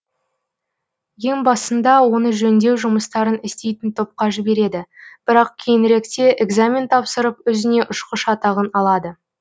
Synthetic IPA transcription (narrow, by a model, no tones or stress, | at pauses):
je̞ŋbɑsənd̪ɑwo̞nəʒɵnd̪e̞wʒʊməst̪ɑɾənɪst̪e̞jt̪ɪnt̪ʰo̞p̚qɑʒɪbe̞ɾe̞d̪ɪb̥ɪɾɑq̚kʲʰe̞jɪnɾe̞kt̪e̞ʔeɡzamʲent̪ʰɑpsəɾəpɵzɪne̞ʔʊʃqəʃɑt̪ɑʁənɑlˠɑd̪ə